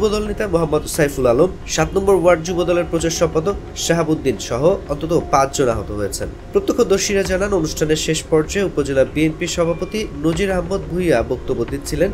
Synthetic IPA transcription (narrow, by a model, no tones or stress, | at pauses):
ubod̪ɔlnet̪amoɦamːod̪sajfulalom | ʃat̪nɔmboɾwaɾɖ̚d͡ʑubod̪ɔleɾpɾot͡ɕaɾʃɔmpad̪ok̚ | ʃaɦabud̪ːinʃɔɦoɔnt̪ot̪̬opãt͡ɕʰd͡ʑona̰ɦot̪oɦojet͡ɕʰenpɾot̪ːokʰːod̪oɾʃiɾad͡ʑananonuʃʈʰaneɾʃeʃpɔɾd͡ʑaeupod͡ʑelabienpiʃɔbʱapot̪inod͡ʑiɾaɦmːod̪̚bʱuiabok̚t̪obːod̪it̪t͡ɕʰilen